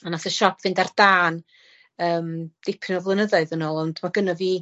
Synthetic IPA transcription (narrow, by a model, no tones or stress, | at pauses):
anaθəʃɔpʰv̥ɪndard̥aːn | əːmd̥ɪpʰɪnɔvlˠənəðɔɨðənɔːlˠɔndmaɡənɔviː